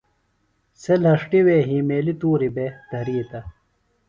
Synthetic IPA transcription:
selɐʂʈiweːɦiːmeːlit̪uːɾibed̪̥ʱɐɾiːt̪ɐ

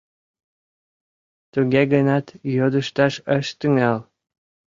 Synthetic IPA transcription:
t̪uɣeɣənɑt̪jod̪ə̆ʃt̪ɑʃəʃt̪yŋæl

